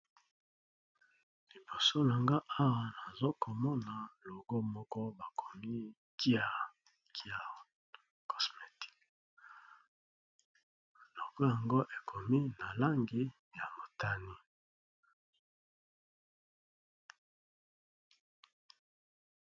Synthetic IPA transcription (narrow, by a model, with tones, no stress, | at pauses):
li˨bo˨so˦la˨ŋɡa˦ʔa˦wa˨na˨zo˦ko˨mɔ˦na˨lo˨ɡo˦mɔ˦kɔ˦ba˨kʰo˨mi˦ | ki˦a˨ | ki˦a˨ | ko̥˨sme˨ti̥˦k | lo˨ɡo˦ja˨ŋɡo˦ʔe˨kʰo˨mi˦na˨la˦ŋɡi˦ | ja˨mo˨ta˦ni˦